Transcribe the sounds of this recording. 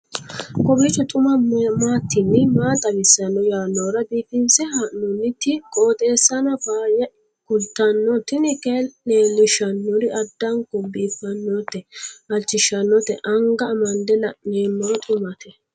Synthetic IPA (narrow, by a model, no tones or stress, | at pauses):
kʼɔbit͡ʃːɔt̪ʼʊmɐmaːt̪ːɪnːɪmaːt̪ʼɐwɪsːɐnːɔjaːnːoːɾɐbiːfɪnsɛhɐnʊnːɪt̪ːɪkʼoːt̪ʼe̞ːsːɐnɐbaːjɐ | kʊlt̪ːɐnːɔt̪ɪnɪkeleːlːɪʃɐnːɔɾɪʔɐd̪ːɐŋkɔbiːfɐnːɔt̪ːɛɐlt͡ʃːɪʃɐnːɔt̪ɛʔɐŋɡɐːmɐnd̪ɛnɐneːmːɐt̪ʼʊmɐt̪ʰɛ